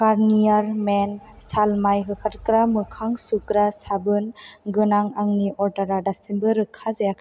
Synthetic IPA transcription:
kaɾnijaɾmen | salmajɦɯkʰatkɾamɯkʰaŋsukɾasabɯnɡɯnaŋaŋniʔɔɾdaɾadasimbɯɾɯkʰazajakʰ

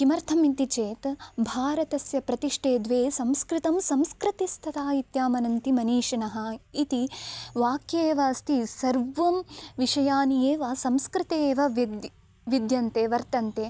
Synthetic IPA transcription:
kimɐɾt̪ʰɐmint̪it͡ʃeːt̪bʱaːɾɐt̪ɐsjɐpɾɐt̪iʂʈʰeːd̪ʋeːsɐmskɾɪt̪ɐmsɐmskɾɪt̪ist̪ʰɐt̪aːit̪jaːmɐnɐnt̪imɐniːʃɐnɐɦɐ̆it̪iʋaːkjeːʋɐst̪ʰisɐɾʋɐmʋiʂɐjaːnijeːʋɐsɐmskɾɪt̪eːʋɐʋd̪ | ʋid̪jɐnt̪eːʋɐɾt̪ɐnt̪eː

